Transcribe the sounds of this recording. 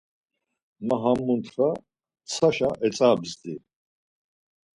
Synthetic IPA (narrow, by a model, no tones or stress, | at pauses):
maɦamːunt̪ʰɾa | t͡sʰaʃaʔɛt͡sʼaːbzd̪i